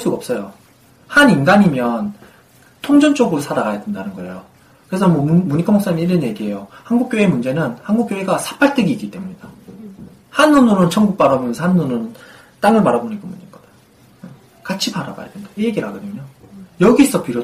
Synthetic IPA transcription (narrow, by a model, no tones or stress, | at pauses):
ɭs͈uɡaʌps͈ʌjo | haninɡaɲimjʌn | tʰoŋd͡ʑʌnt͡ɕ͈oɡɯɾosʰadaɡajadendanɯnɡʌe̞jo | kɯɾe̞sʰʌmwʌmuɲikʰamoks͈aɲimiiɾɯnje̞ɡiɦe̞johanɡuk͈joe̞mund͡ʑe̞nɯnhanɡuk͈joeɡasʰḁpʰaɭt͈ɯɡiːk͈it͈e̞muɲid̥a | hanːunonɯnt͡ɕʰʌŋɡuk̚p͈aɾʌmʌnnsʰanːunɯn | t͈aŋɯɭmaɾaboɲiɡumuɲiɡʌde | e | kat͡ɕʰipaɾa̰ɡa̰ja̰dwend̥aijeɡiɾaɡʌdɯmjojʌɡis͈ʰʌpiɾjo